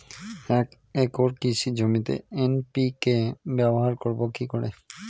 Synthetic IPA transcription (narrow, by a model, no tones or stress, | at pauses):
ɛk | ɛkoɾkisʰid͡ʑomit̪ḛenpikebɛboɦaɾkoɾbokikoɾḛ